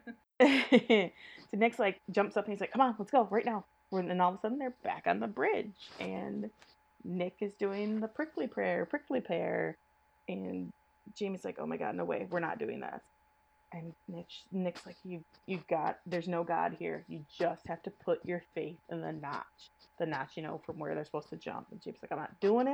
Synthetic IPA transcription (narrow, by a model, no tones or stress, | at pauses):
tʰɨnɪkslaɪk̚d̥ʒ̥ʌ̃mpsʌ̃mθɪ̃ŋizlaɪkʰʌ̃mə̃nlətsɡ̥oʊɹaɪtⁿnaʊ | wəɨ̃nɔlˠðəsʌdⁿn̩ðə˞b̥æ̰kn̩ðəbɹɪd͡ʒʔɨ̃nː | ɪkɨzdʉɪ̃ŋðəpʰɹ̥ɪklipʰɹ̥ɛɹpʰɹ̥ɪklipʰɛɹ | ɨ̃n | d͡ʒẽɪ̃mizlaɪko̰ʊmaɪɡɑ̰dⁿnoʊwḛɪwɨɹnə̰t̚d̥ʉɪ̰̃ŋðɪ̰s | ʔɨ̃nnɪt͡ʃnɪkslaɪkjʉvjʉvɡɑt̚ðə˞znoʊɡɑ̰d̚hiɹjɨd͡ʒʌst̚hæftɨpʰʊt͡ʃə˞feɪθɨ̃nðɨnɑ̰t͡ʃðɨnɑ̰t͡ʃjɨñoʊfɹʌ̃mwə̰˞ðə˞sə̥pʰoʊstʰɨd͡ʒʌ̰̃mpn̩d͡ʒeɪ̃mizlaɪkãɪ̃mnə̰t̚d̥ʉɪ̃ŋɪt̚